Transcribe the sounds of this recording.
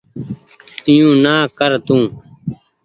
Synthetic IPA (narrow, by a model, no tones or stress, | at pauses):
t̪ɪjũːnaːkəɾt̪ũː